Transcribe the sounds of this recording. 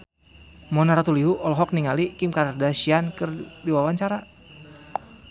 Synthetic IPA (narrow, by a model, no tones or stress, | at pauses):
mɔnaɾat̪uliɦuʔɔlɦɔk̚niŋalikimkaɾardaʃiankɨrdiwawaɲt͡ʃaɾa